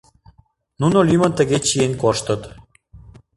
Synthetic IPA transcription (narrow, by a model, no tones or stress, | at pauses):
nunolʲymənt̪əɣet͡ɕienkoʃt̪ə̆t̪